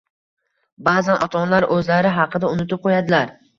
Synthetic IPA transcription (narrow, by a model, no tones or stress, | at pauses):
baːzanʔɒt̪ʰɒnlaɾʔɵzlaɾɪɦɑqʰɨd̪aʊnɪt̪ɪp̚qʰojad̪ɪlaɾ